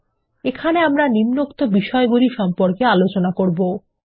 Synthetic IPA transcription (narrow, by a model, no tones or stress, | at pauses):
ekʰaneamɾanimnokt̪obiʃɔeɡuliɾʃɔmpoɾkealot͡ɕonakoɾbo